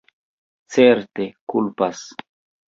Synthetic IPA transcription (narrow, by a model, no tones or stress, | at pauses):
t͡seɾte̞kulpas